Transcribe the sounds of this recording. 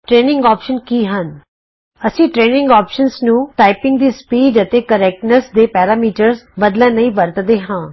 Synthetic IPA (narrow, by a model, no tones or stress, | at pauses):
ʈɾeːnɪ̃ŋɡɔːpʃənkiːɦən | əsĩːʈɾeːnɪ̃ŋɡɔːpʃənsnũːʈaːɪpɪ̃ŋɡ̚d̪iːspiːɖət̪eːkəɾɛːk̚ʈnəsd̪eːpɛːɾaːmiːʈəɾsbəd̪lɛ̃ːnəĩːʋəɾt̪d̪eːɦãː